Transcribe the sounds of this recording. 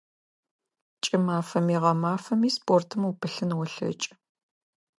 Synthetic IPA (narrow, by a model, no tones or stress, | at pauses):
t͡ʃʼɪmaːfɐmiːʁɐmaːfɐmiːspʰʼoːrtʰɨmupʰɨɬɨnwɔɬɐ̰t͡ʃʼ